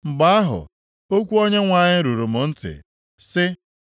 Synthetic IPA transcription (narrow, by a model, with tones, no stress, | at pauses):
ŋ͡m̩˨ɡ͡ba˦a˦ɦʊ̰˨ | o˦kʷu˦o˦ɲe˦ŋʷa˦˨ɲɪ˦ɾu˨ɾu˨mʊ˨n̩˦tɪ̰˨ | sɪ˦